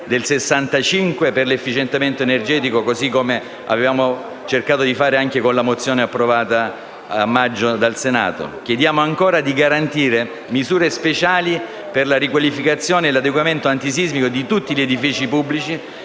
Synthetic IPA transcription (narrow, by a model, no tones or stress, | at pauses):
d̪elsesːant̪at͡ʃiŋkweperlefːit͡ʃent̪ement̪oenerd͡ʒɛːt̪ikokozikːome | a̰vevaːmo | t͡ʃerkaːt̪od̪ifaːɾeaŋk̟ekonlamot̪sːjoːneapːɾovaːt̪a | amːad͡ʒːod̪alsena̰ːt̪o̰k̟jed̪jaːmoaŋkoːɾad̪iɡaɾant̪iːɾe | mizuːɾespet͡ʃaːli | perlaɾikwalifikat̪sːjoːneːlad̪eɡwament̪oant̪isizmikod̪it̪ut̪ːiʎed̪ifiːt͡ʃipubːlit͡ʃi